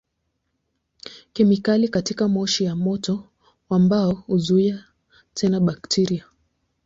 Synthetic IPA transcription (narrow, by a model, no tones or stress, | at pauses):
kimikalikatikamɔʃijamɔtɔ | ambaɔhuzuia | tʰɛnaɓaktʰiɾia